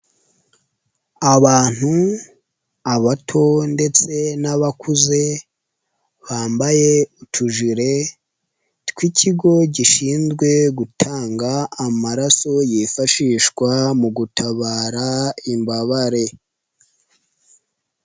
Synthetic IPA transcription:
aβaːn̥hu | aβatʰo̞nde̞t͡se̞naβakʰuze̞ | βaːmbaje̞utʰuʒiɾe̞ | tkwicʰiɡo̞ɟiʃiːnzɡwe̞ɡutʰaːŋɡaːmaɾaso̞jifaʃiːʃɡwamuɡutʰaβaːɾaimbaβaɾe̞

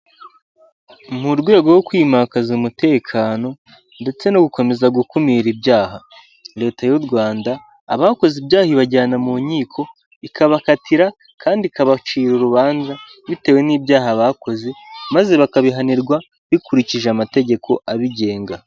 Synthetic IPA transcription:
muɾɡwe̞ːɡo̞wokwiːmakazumute̞ːkʰaːno̞ | nde̞t͡se̞no̞ɡuko̞me̞zaɡukumiɾibjaːɦa | ɾe̞ːtajuɾɡwaːndaː | βako̞zibjaːhiβaɟaːnamuːɲiːkʰo̞ | ikaβakatʰiɾa | kʰaːndikaβat͡ʃiːɾuɾuβaːnza | βite̞ːwe̞niːbɟaːɦaβako̞ze̞maze̞βakaβiɦaniɾɡwa | βikuɾiciʒeamate̞ɟe̞kʰo̞aβiɟe̞ːŋɡa

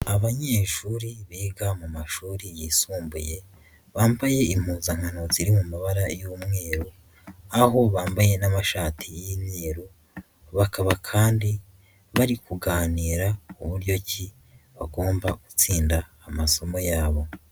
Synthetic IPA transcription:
aβaɲe̞ːʃuːɾiβiːɡamumaʃuːɾijisuːmbṵje̞ | βaːmbaje̞im̥uːzaŋ̥hanut͡siɾimumaβaɾajuːmŋe̞ːɾu | aɦo̞βaːmbaje̞namaʃaːtʰijiːmɲeːɾu | βakʰaβakʰaːndi | βaɾikuɡaːniːɾauβuɾjo̞ci | βaɡo̞ːmbaɡ̥ut͡siːndaːmaso̞mo̞jaːβo̞

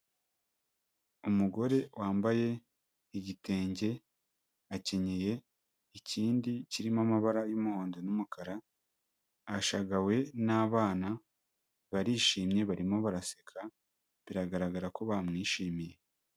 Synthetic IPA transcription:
umuɡo̞ɾe̞wʔaːmbaje̞ | iɟite̞ːɲɟe̞ | ace̞ɲe̞je̞ | iciːndiciɾimamaβaɾajumuho̞ːndo̞numukaɾa | ʃaɡawe̞naːβaːna | βaɾiʃiːmɲe̞βaɾimo̞βaɾasekʰa | βiɾaɡaɾaɡaɾako̞βamŋiːʃiːmije̞

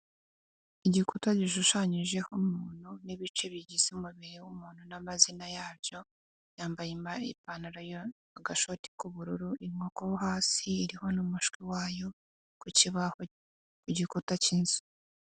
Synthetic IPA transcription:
iɟikutaɟiʃuʃaɲiʒe̞homuːn̥huniβit͡ʃe̞βiɟizeumuβiɾewumuːn̥hunamazinajaːɾjo̞ | jaːmbajimaipanaɾajo | aɡaʃo̞ti̥kuβuɾuɾuʔimŋo̞kohoɦaːsiːɾiho̞numuʃkwiwaːjo̞ | kuciβaho | kuɟikutaciːnzu̥

